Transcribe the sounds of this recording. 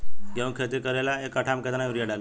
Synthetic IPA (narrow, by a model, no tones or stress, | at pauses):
ɡeũnkʰet̪ikəɾelaekəʈʰamket̪naʋɾijəɽal